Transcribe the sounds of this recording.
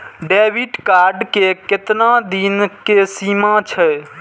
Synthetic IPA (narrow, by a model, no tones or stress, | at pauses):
ɖɛbiʈkaɾɖkekɪt̪nad̪inkesimat͡ʃʰɛ